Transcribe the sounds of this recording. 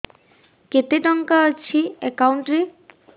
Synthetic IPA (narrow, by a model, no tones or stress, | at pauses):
ket̪eʈɔŋkaaɾt͡ɕʰiekawɳʈɾi